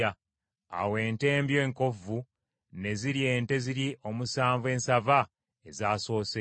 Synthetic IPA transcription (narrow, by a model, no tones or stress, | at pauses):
a | a̰we̞ːnte̞ːmbje̞ːŋko̞vu | ne̞ziɾje̞ːnte̞ziɾiʔo̞musaːɱvue̞ːnsava | e̞zaːso̞ːse